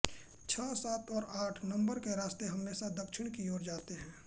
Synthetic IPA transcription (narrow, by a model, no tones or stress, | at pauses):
t͡ʃʰɔːsaːt̪ɔːɾaːʈʰnə̃mbəɾkeɾaːst̪eɦɐmːeːsad̪ɐkʃɪɽ̃kioːɾd͡ʒaːt̪eɦɛ̃ː